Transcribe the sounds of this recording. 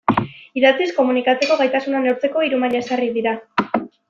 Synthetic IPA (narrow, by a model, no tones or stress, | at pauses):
iðat͡sisko̞munikat͡se̞ko̞ɣajt̪asunaneɾt͡se̞ko̞iɾumaʎaesariðiɾa